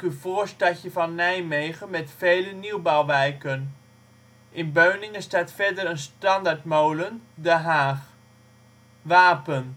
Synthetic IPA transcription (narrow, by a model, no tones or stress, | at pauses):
kyfoːɹstɑcəfɑnːɛjmejχənmɛtfejləniwbawʋɛjkən | ʔɪnbøɥnɪŋəstaːtfɛɹdərənstɑndaɹtmowləndəɦaːχ | ʋaːpən